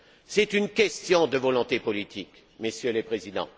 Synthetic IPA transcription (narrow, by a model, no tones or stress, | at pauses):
sɛt̪ynkʲɛst̪jɔ̃d̪əvɔlɔ̃t̪epɔlit̪ʰik | mesjøləpχezid̪ɑ̰̃